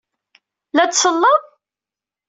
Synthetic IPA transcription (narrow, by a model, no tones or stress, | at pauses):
læt͡ssəlːəð